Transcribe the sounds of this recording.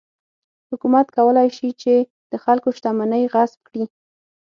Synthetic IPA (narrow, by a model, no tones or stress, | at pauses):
hʊkumat̪kawəlajʃit͡ʃe | d̪̥əxalkoʃt̪amanəjɣasb̚kɽi